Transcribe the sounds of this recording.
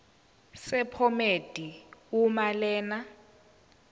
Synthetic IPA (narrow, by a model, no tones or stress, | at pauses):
sɛpʰɔmed̥ʱiumalɛːna